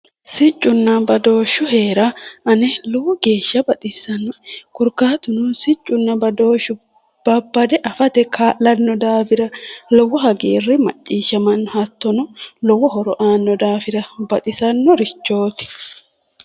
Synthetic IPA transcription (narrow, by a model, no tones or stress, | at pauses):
sɪt͡ʃʼːʊnːɐbɐd̪o̞ːʃʊɦe̞ːɾɐʔɐnɛlɔwɔɡe̞ːʃːɐbɐt̪ʼɪsːɐnːɔkʊɾkaːt̪ʊnʊsɪt͡ʃʼːʊnːɐbɐd̪o̞ːʃʊ | b̥ɐbːɐd̪ɛʔɐfɐt̪ɛkʰaːlɐnːɔd̪aːfɪɾɐlɔwːɔɦɐɡeːrːɪmɐ̰t͡ʃʼːiːʃːɐmɐnːɔhɐt̪ːɔnɔlɔwːɔɦɔɾɔʔaːnːɔd̪aːfɪɾɐbɐt̪ʼɪsɐnːɔɾɪt͡ʃːo̞ːt̪ɪ̥